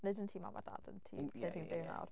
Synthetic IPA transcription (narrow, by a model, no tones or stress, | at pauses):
nɨdəntʰiːmavada̰dəntʰḭetʰinbɪwna̰wr